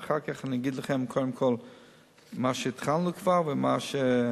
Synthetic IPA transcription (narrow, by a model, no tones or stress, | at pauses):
χaʁkaχnɪɡɪdlˠəχɛmkʰɔləmkʰɔlˠ | maːʃətχanlˠukʰv̥aʁvɪmaːʃə